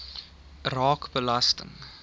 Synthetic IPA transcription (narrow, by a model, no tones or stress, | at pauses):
rɑːkbəlɐstə̰ŋ